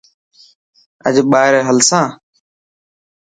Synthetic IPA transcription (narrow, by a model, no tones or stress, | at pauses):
ə̰ʄɓaːɦɪɾeːɦəlsãː